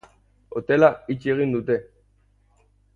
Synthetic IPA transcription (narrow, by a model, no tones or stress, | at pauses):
ot̪elait͡ʃeɣind̪ut̪e